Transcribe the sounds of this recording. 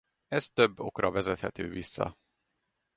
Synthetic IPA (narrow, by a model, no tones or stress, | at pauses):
ɛst̪ø̞bːo̞̰krɒvɛzɛt̪hɛt̪øːvisːɒ̰